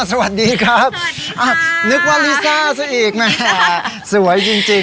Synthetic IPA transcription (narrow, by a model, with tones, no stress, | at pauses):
sa˧wa˨˩t̪̚diː˧kʰɾa˦˥p̚ | ʔaː˧˩nɯ˦˥k̚waː˧˩liː˦˥saː˥˩sa˧ʔiː˨˩k̚mɛ˦˥˧ | su˩˦əjt͡ɕi˧ŋt͡ɕe˧